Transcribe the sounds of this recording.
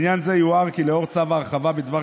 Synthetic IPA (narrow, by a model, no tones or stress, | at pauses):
njanzejuaʁkileo̞ʁt͡savaːʁχavabed̪va